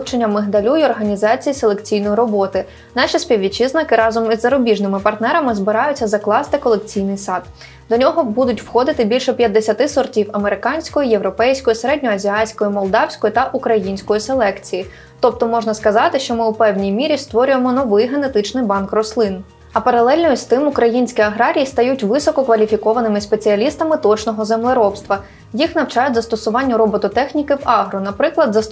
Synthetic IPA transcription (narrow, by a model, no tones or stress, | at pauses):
t͡ʃenʲːɐmɪɦd̪ɐlʲujɔrɦɐnʲizɑt͡sʲijiselˠe̞kt͡sʲijnɔjɾɔbɔt̪ɪ | nɑʃisʲpʲiwʲʋʲit͡ʃiznɐkɪɾɑzɔmizːɐɾɔbʲiʒnɪmɪpɐrt̪nɛɾɐmɪzbɪɾɑjʊt͡sʲːɐzɐklˠɑst̪ɪkɔlˠekt͡sʲijnɪjsɑd̪ | d̪ɔnʲɔɦɔbud̪ʊtʲwxɔd̪ɪt̪ɪbʲilʲʃɛpʲjɐd̪ːesʲɐt̪ɪsɔrtʲiwɐmeɾɪkɑnʲsʲkɔjijewɾɔpɛjsʲkɔjiseɾɛdʲnʲɔɐzʲiɑsʲkɔjimɔlˠd̪ɑwsʲkɔjit̪ɐʔukɾɐjinʲsʲkɔjise̞lˠɛkt͡sʲiji | t̪ɔp̚t̪ɔmɔʒnɐskɐzɑt̪ɪʃt͡ʃɔmɪupɛwnʲijmʲiɾʲist̪ʋɔɾʲʊjemɔnɔʋɪjɦe̞ne̞t̪ɪt͡ʃnɪjbɑnkrɔslˠɪn | ɐpɐɾɐlˠɛlʲnɔjʊst̪ɪmukɾɐjinʲsʲkʲiɐɦɾɑɾʲijist̪ɐjutʲʋɪsɔkɔkʋɐlʲifʲikɔʋɐnɪmɪspet͡sʲiɐlʲist̪ɐmɪt̪ɔt͡ʃnɔɦɔzemlˠeɾɔpst̪ʋɐ | jixnɐwt͡ʃɑjʊtʲzɐst̪ɔsʊʋɑnʲːɐɾɔbɔt̪ʊt̪ɛxnʲikɪwɑɦɾʊnɐpɾɪklˠɐd̪zɐ